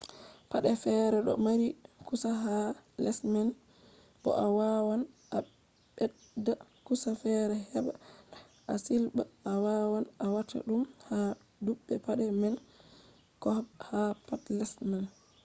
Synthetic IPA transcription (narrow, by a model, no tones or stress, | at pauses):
paɗɛfɛɾɛɗɔ̰maɾikusaɦalɛsmɛn | bɔ̰ʔawawan | ʔa | ɓɛ | dːakusafɛɾɛɦɛɓa̰ | ʔasilɓaawawanʔawatʰa̰ɗumha | duɓːɛpaɗɛmɛn | kɔhapatlɛsmɛn